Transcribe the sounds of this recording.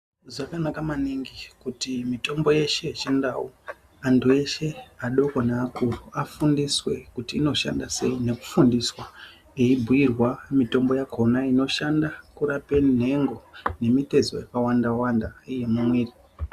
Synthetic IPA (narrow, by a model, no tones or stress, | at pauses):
ʐakanakamaniŋɡikutimito̞mbo̞je̞ʃe̞t͡ʃendau | antue̞ʃe̞aɗo̞konaːkʰuruafundiswe̞kutiːno̞ʃa̰ndase̞ine̞ku̥fundiswa | eibʱuirwamito̞mbo̞jakʰo̞naino̞ʃandakuɾape̞n̤e̞ŋɡo̞ne̞mite̞zo̰jekawandawandaije̞mumwiːri